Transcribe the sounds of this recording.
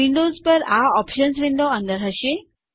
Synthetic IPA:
iɳɖozpəɾaɔpʃəns̬ʋiɳɖ̪oə̃nd̪əɾɦəʃe

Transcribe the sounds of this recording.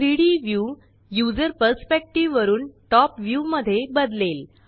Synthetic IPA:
ɾiɽiʋju | jud͡zəɾpəɾspek̚ʈiʋːəɾuːnʈɔpʋjuməd̪ʱːjebəd̪lel

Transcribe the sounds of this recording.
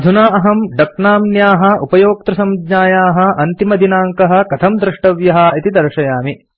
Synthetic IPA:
ɐd̪ʱunaːɐɦɐmɖɐk̚naːmnjaːɦɐ̆ʔupɐjoːk̚t̪ɾɐsɐmd̪ɲaːjaːɦɐ̆ʔɐnt̪imɐd̪ʱinaːŋkɐɦɐ̆kɐt̪ʰɐmd̪ɾɪʂʈɐʋjɐɦɐ̆it̪id̪ɐɾʂɐjaːmi

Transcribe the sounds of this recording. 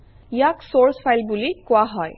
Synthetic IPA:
ijaksoɹspʰajlbulikʊaɦɔj

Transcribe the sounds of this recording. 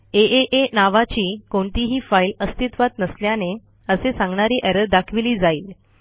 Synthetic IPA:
eeʔenaʋat͡ɕiːkoɳt̪iɦiːfailəst̪it̪ʋat̪nəsljane | əsesãŋɡɳaɾiːʔɛɾəɾd̪akʰʋiliːd͡zaiːl

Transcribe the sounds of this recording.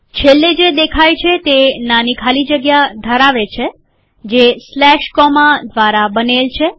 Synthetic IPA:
t͡ʃʰelːed͡ʒed̪ekʰajt͡ʃʰet̪enanikʰalid͡ʒəɡjad̪ʱəɾaʋet͡ʃʰe | d͡ʒeslɛʃkɔmad̪ʋaɾabənelt͡ʃʰe

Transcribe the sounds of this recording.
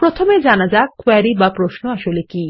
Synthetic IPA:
pɾot̪ʰomed͡ʑanad͡ʑakoaɾibapɾoʃnoaʃoleki

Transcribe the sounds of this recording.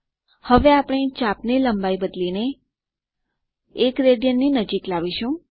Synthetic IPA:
həʋeapəɳ̃et͡ʃapniləmbaibəd̪line | kɾeɖijənːinəd͡ʒiklaʋiʃũ

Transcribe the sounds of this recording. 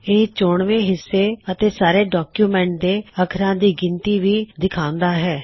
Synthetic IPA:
eːt͡ʃoːɳʋẽːɦɪsːeːət̪eːsaːɾeːɖɔːkjuːmɛ̃ːɳʈ̚d̪eːəkʰɾãːd̪iːɡɪnt̪iːʋiːd̪ɪkʰãːnd̪aːɦɛː

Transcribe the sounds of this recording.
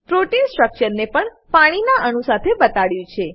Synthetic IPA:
pɾoʈinsʈɾək̚t͡ʃəɾnepəɳ | paɽ̃inaʔəɳ̃ũsat̪ʰebət̪aɭjũt͡ʃʰe

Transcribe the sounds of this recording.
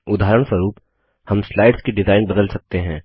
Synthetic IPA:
ʊd̪ʱaːɾəɽ̃səɾuːp | hɐmslaːɪɖskiɖɪzaːɪnbɐd̪əlsɐk̚t̪eɦɛ̃ː

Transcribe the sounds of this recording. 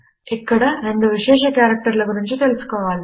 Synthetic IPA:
ɪkːɐɽɐɾeɳɖ̪ɯʋɪʂeːʂɐkaːɾɐk̚ʈɐɾɪlɐkʊɾɐɲd͡ʒut̪elɪsɯ̥kːɐʋaːɭ

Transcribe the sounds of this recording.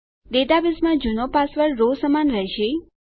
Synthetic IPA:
d̪ed̪abismãd͡ʒunopasʋəɭɾosəmanɾəɦeʃe

